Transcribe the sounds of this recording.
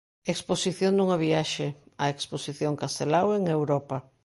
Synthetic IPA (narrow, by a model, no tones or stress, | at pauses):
eksposiθjond̪uŋɐβiaʃea̰eksposiθjoŋkast̪elaweŋewɾɔpa